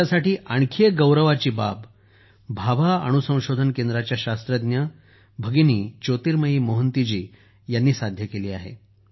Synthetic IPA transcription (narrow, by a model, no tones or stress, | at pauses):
asaʈiːʔaɳkʰeɡəwɾəʋat͡ɕiːbab | bʱaʋaə̰ɽ̃usə̃w̃ɕod̪ʱənkend̪ɾat͡ɕjaɕast̪ɾəd̪njə | bʱəɡiniːt͡ɕot̪iːɾməɦiːmoɦənt̪id͡ʑiː | janːiːsad̪ʱjəkeliːaɦḛ